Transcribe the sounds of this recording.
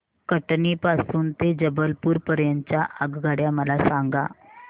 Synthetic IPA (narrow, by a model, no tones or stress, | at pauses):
kəʈnipasuːnt̪ed͡ʑəbəlpuːɾpəɾjaɲt͡ɕjaʔaɡɡʱaɽjaməlasaŋɡa̰